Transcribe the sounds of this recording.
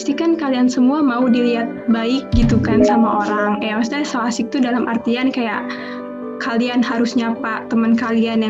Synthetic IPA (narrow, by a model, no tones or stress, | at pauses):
st̪ikankaliansəmuamaudiliɦat̪̚baɪk̚ɡit̪ukansamaʔoɾaŋjawasd̪asəlasɪk̚t̪udalamʔa̰rt̪iankajaʔ | kalianhaɾʊsɲapat̪əmənkalianja